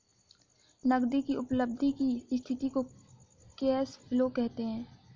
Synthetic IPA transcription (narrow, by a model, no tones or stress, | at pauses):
nɐɡd̪ikiʊpləb̚d̪ʱikist̪ʰɪt̪iko | kɛːsfɪlokɛɦt̪eɦɛ̃ː